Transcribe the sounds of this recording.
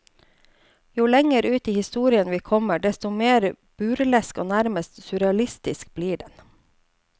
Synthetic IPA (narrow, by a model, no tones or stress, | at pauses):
juːlɛŋəɾʉːt̪iːhɪst̪uːɾɪənʋiːkʰɔməɖɛst̪ɔmeːɾ | b̥ʉːɾlɛskoːnæɾməst̪sʉɾɛɑlɪst̪ɪsk̚b̥liːɖɛn